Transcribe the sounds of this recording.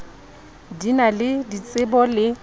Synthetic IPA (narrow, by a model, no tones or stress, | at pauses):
dinalɪdit͡sʼɪbɔlɪ